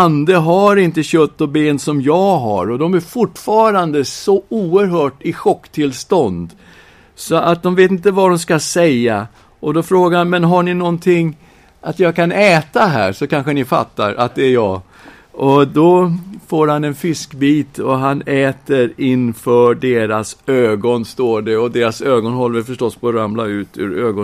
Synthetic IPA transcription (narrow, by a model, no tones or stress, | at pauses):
and̪əɦaɾɪnt̪əɕœt̪ːɔbeːnsɔmjɑːɡɦa̰ɾɔd̪ɔmæɾfʊʈfɑːɾand̪əsɔuːəɾɦœːʈɪɧɔkːt̪ʰɪlst̪ɔnd̪ | sɔʔat̪̚d̪ɔmveːt̪̬ɪnt̪əvaɖɔmskasɛjːa | ʔɔd̪ɔfɾoːɡaɾhanmɛnɦaɳɪnɔnt̪ʰɪŋː | ʔat̪jɑːɡkʰanɛːt̪aɦæ̰ːɾsɔkanɧənɪfa̰t̪ːa̰ɾʔa̰t̪̚d̪ɛæjɑː | ʔɔd̪ɔfoːɾhanɛnfɪskbiːt̪ɔɦanɛːt̪əɾɪnfœɖeːɾasøːɡɔnst̪oːɖɛɔd̪eːɾasøːɡɔnɦɔlːɛfœʂʈɔsːpʰoːɾamlaʉ̟ːt̪ʰʉ̰ɾøːɡɔ